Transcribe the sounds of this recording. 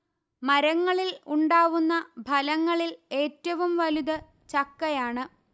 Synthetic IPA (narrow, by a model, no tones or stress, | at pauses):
mɐɾɐŋːɐɭiluɳɖaːʋunːɐbʱɐlɐŋːɐɭile̞ːtːɐʋumʋɐluðɐ | t͡ɕɐkːɐjaːɳɨ